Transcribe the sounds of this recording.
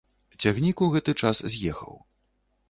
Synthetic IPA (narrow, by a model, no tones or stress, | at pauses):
t͡sʲaɣnʲikuɣɛt̪ɨt͡ʂaszʲjɛxɐ̰w